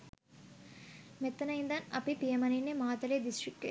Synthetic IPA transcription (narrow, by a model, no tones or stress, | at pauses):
mɛt̪ːɐnɐjind̪anɐpipijɐmɐninːemaːt̪ɐleːd̪isʈɾikːḛ